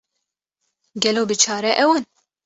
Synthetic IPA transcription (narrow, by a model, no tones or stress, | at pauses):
ɡɛloːbɨt͡ʃʰɑːɾɛʔɛwan